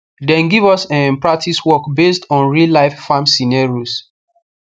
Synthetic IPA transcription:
dɛ̃nɡivɔsãmpɹak̚tʰiswɔkbestɔ̃nɹilaɪffãmsinaɹos

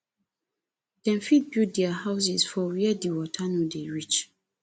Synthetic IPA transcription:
d̥ɛ̃nfid̚bjut̚dɛahaʊs̬isfɔwiɛdiwɔtʰanudeɹit͡ʃ

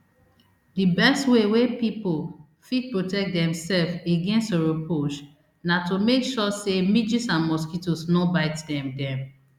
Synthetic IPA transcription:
dibɛstwewepipol | fit̚pɹotɛk̚t̚dɛ̃msɛlfeɡɛ̃nstoɹopʰoʃ | natomekʃɔsemid͡ʒisãnmɔskitosnɔbaɪtdɛ̃mdɛ̃m

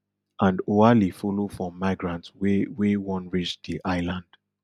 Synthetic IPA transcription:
ʔãndoalifɔlofɹɔ̃mːaɪɡɹãntswwewɔ̃nɹit͡ʃd̪iʔaɪlãnd̥

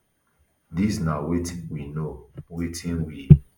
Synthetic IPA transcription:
disnawetĩnwinowetʰĩnwi

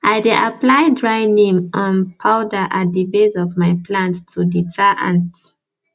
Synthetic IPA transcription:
ajdeʔaplajdɹaɪnĩŋɔ̃npʰawdəʔat̚dibezɔvmajpʰlãntʰːuditʰaʔãnt

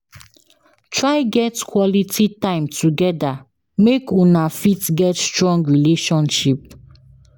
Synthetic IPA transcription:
tɹaɪɡɛtkʰwɔlitʰitãɪ̃mtʰuɡɛda | mekunafitɡɛtstɹɔ̃ŋɡɹileʃɔ̃nʃip̚

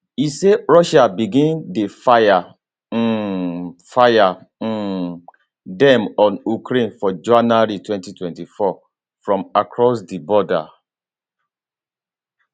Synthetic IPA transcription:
iseɹɔʃabiɡĩndefaja | faja | dɛ̃mɔ̃nukɾẽnfɔd͡ʒuãnaɾitwɛ̃ntitwɛ̃ntifɔ | fɹɔ̃makʰɹɔsdibɔda̰

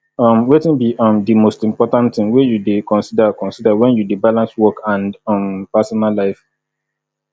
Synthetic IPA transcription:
ʌ̃mwetĩnbiʔɔ̃mdimostĩmpɔtãntĩŋwejudekɔ̃nsidakɔ̃nsidawɛ̃njudebalãnswɔkãnɔ̃mpasɔnalːaɪf

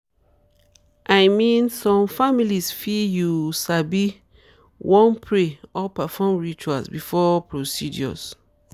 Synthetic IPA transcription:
ʔaɪmĩnsɔ̃mfamilisfijusabi | wɔ̃npʰɾeɔpɛfɔ̃mɹit͡ʃualsbifɔpʰɹosidj̰ɔ̰s

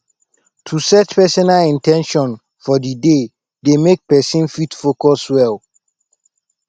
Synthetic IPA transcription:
tʰusɛtpɛsɔnalĩntʰɛ̃nʃɔ̃n | fɔdide | demek̚pɛsĩnfitfokɔswɛl

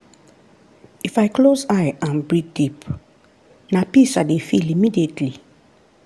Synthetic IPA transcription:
ifaɪklozajãnbɹit̚dip | napisadefilimidietʰli

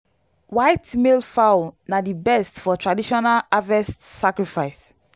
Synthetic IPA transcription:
wajtmelfawnadibɛstfɔtɹadiʃɔnalavɛstsakɹifajs

